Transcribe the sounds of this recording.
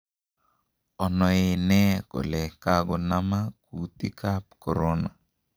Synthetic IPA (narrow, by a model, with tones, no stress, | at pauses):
ɔ˨nɔ˨e˦nɛ˦kɔ̰˨lɛ˨ka˦ɡɔ˨na˦ma˦ku˨t̪i˦kʰa˦p̚kɔ˨ɾo˦na˨